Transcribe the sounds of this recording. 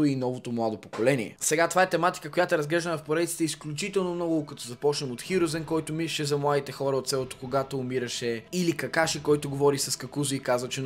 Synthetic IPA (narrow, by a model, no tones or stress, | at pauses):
ʊinɔvot̪omlˠad̪opokolɛnḭɛ̰sɛɡat̪ovaɛt̪ɛmat̪i̥kəkojat̪ɛɾɐzɡlɛʒd̪ənɐfpoɾɛd̪it̪si̥t̪ɛisklʲut͡ʃit̪ɛlˠnomnɔɡʊkɐt̪ɔzɐpɔt͡ʃnɛmot̪xiɾʊzɛnkɔjt̪ʊmiɾiʃɛzɐmlˠad̪it̪ɛxɔɾɐot̪sɛlˠot̪o̥koɡat̪oːmiɾɐʃɛilikɐkaʃikɔjt̪ʊɡovɔɾisɐskɐkuzʊikazvɐt͡ʃɛ